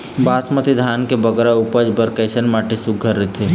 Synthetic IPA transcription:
baːsmət̪id̪ʱaːnkebəɡɾaupəd͡ʒbəɾkəɪsənmaːʈesuɡʱːəɾːət̪ʰi

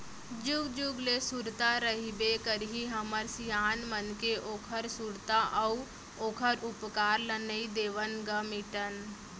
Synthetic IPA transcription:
d͡ʒuɡd͡ʒuɡlesuɾt̪aɾəɦibekəɾɦiɦəməɾsijaːnmənkeʔoːkʰəɾsuɾt̪aʔɐu | oːkʰəɾʊpkaːɾlənəid̪eːʋənɡəmɪʈən

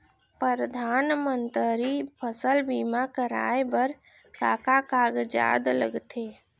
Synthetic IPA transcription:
pəɾəd̪ʱanmənt̪əɾipʰəsəlbimakəɾa̰ebəɾ | kakakaɡd͡ʒa̰d̪lə̰ɡt̪ʰe

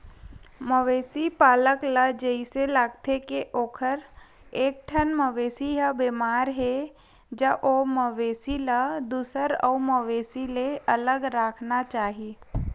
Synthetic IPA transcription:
məʋeːsipaːləkləd͡ʒəiselaːɡ̚t̪ʰekeʔoːkʰəɾ | eːk̚ʈʰənməʋeːsiɦəbeːmaːɾɦe | d͡ʒəʔoməʋeːsiləd̪uːsəɾɔ̰uməʋeːsileələɡɾaːkʰnat͡ʃaːɦi

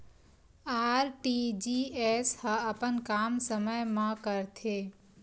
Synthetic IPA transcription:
aːɾʈid͡ʒieshəɐpənkaːmsəməjmãkəɾt̪ʰeː

